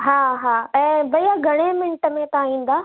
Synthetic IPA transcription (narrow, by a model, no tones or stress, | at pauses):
ɦaːɦaːɛ̃ːbɐiaɡʱɐɽ̃emɪnʈəmẽt̪aːĩːn̆d̪aː